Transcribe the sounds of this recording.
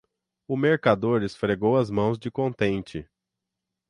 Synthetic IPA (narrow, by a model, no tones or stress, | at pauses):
ʊmeɾkad̪oɾɪsfɾeɡowɐzmɐ̃w̃zd͡ʒɪkõnt̪ẽnt͡ʃɪ